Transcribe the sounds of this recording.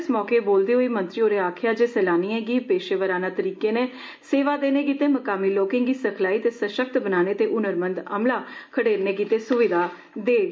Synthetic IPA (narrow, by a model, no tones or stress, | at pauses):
smɔːkeːboːld̪eːɦoːiːmənt̪ɾiːoːɾeːaːkʰjaːd͡ʒeːsɛːlaːniːɛ̃ːɡiːpeːʃeːʋəɾaːnaːt̪əɾiːkeːneː | seːʋaːd̪eːneːkiːt̪eːməkaːmiːloːkɪ̃ŋɡiːsəkʰlaːiːt̪eːsəʃək̚t̪bənaːneːt̪eːʔʊnəɾmənd̪ə̰mlaːkʰəɽeːɾneːɡiːt̪eːsʊʋɪd̪ʱaː | d̪eː